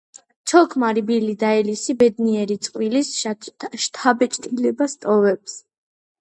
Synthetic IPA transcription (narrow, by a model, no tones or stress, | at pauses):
t͡ʃʰɔkʰmaɾibilid̪aɛlisibɛd̪niɛɾit̪sʼqʼwilisʃt̪ʰabɛt͡ʃʼt̪ʼilɛbast̪ʼɔvɛps